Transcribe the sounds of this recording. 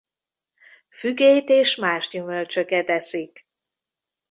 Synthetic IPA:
fyɡejt̪eːʃmaːʃɟymølt͡ʃøkɛt̪ɛsik

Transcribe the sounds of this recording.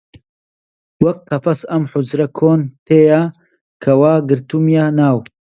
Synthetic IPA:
wɐk̚qɐfɐsɐmħʊzɾɐkʰoːnt̪ʰeːja | kʰɐwaːɡɨɾt̪umjanaːw

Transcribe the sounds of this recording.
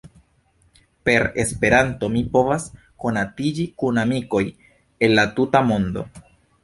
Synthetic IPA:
pe̞ɾe̞spe̞ɾanto̞mipo̞vas | ko̞natid͡ʒikunamiko̞j | e̞nlatutamo̞ndo̞̰

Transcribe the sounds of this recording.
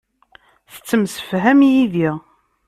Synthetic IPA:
θə̥t͡sːəmsə̥fɦæmjiðiʁ

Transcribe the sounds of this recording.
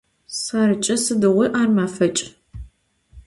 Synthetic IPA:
saːɾɨt͡ʃʼɐsɨdɨʁiʔaːrmaːfɐt͡ʃʼ

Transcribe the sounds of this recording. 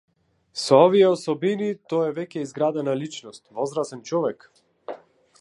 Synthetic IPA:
sɔɔviɛɔsɔbinit̪ɔɛvɛcʲɛizɡɾad̪analit͡ʃnɔst̪vɔzɾasɛnt͡ʃɔvɛk

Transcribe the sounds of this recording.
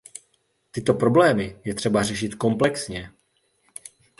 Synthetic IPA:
t̪ɪt̪o̞pɾo̞blɛːmɪjɛt̪r̥ɛbarɛʃɪt̪ko̞mplɛksɲɛ

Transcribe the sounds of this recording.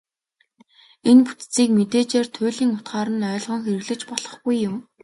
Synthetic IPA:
enpu̥t̪t͡siːkmet̪eːt͡ɕeːrt̪ʰʊːɮiːŋʊt̪ɢaːɾə̆nœːɮʁɞ̆ŋxerɘ̆ɣɮɘ̆kt͡ɕpɔɮ̥ɞ̆χɡujːʊm

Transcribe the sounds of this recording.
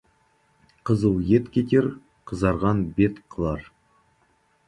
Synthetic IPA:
qʰəzəlˠje̞t̪kʲʰet̪ʲeɾ | qʰəzɑɾʁɑnbe̞t̪qʰəlˠɑɾ

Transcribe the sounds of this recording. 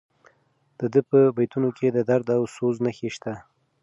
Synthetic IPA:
d̪̥əd̪əpəbajt̪unokʰed̪əd̪aɾd̪awsoznəxeʃt̪a

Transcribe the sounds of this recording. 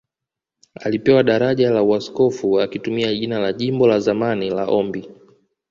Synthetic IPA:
alipɛwaɗaɾaʄalauaskɔfuakitumiaʄinalaʄimbɔlazamanilaʔɔmbi

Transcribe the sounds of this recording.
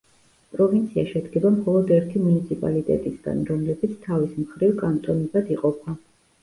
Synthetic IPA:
pʼɾɔvint̪sʰiaʃɛd̪ɡɛbamχɔlˠɔd̪ɛɾt̪ʰimunit̪sʰipʼa̰lit̪ʼɛ̰t̪ʼisɡa̰nɾɔmlɛbit̪sʰt̪ʰavismχɾivkʼant̪ʼɔnizad̪iqʼɔpʰa

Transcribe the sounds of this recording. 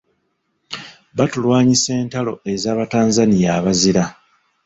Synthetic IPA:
βatulwaːɲise̞ːntalo̞e̞zaːβataːnzanijaːβaziɾa

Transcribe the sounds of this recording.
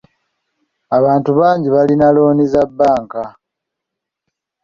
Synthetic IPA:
aβaːntuβaːɲɟiβalinalo̞ːnizabːaːŋka

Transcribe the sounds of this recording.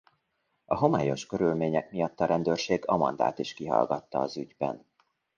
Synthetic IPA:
ɒɦo̞maːjo̞ʃkø̞ɾylmeːɲɛkmijɒt̪ːɒɾɛnd̪øːrʃeːɡɒmɒnd̪a̰ːt̪iʃkiɦɒ̰lɡɒt̪ːɒːzyɟbɛ̰n

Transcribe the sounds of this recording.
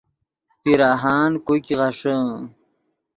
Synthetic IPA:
piɾaːɦaːnkojkiʁaʂə

